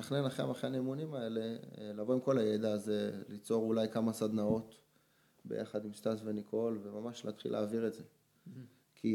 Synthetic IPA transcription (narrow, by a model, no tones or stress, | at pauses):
aχnenaχeamaχeanemunimae̞le̞lavo̞imkolaje̞d̪aːze̞lit͡so̞ʁulajkamasad̪nao̞t | be̞̰jʔa̰χad̪imst̪asve̞nikʰo̞lve̞mamaʃla̰t̪χḭlʔa̰ːviʁe̞tze̞ | kʰi